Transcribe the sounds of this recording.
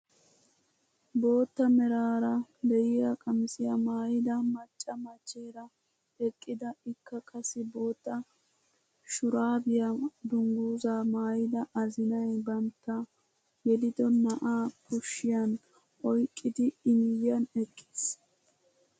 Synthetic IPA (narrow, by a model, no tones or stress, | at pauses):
bo̞ːt̪ːɐmɛɾaːɾɐd̪ɛjɪjɐkʼɐmɪsɪjɐmaːjɪd̪ɐmɐt͡ʃʼːɐmɐt͡ʃʼːeːɾɐ | ɛkʼːɪd̪ɐɪkːɐkɐsɪbo̞ːt̪ːɐ | ʃʊɾaːbɪjɐd̪ʊŋɡuːzaːmaːjɪd̪ɐʔɐzɪnɐjbɐnt̪ːɐ | ɡɛd̪ɪd̪ɔnɐʔakʊʃːɪjɐn | ʔɔjkʼːɪd̪ɪɪnɪjːɐnɛkʼːe̥s